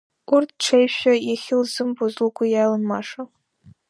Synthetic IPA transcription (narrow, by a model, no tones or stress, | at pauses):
urtʰʈ͡ʂʰejɕʷᶣajaχʲɪlzɨmbozlkʷʰʊjalɨnmaʂa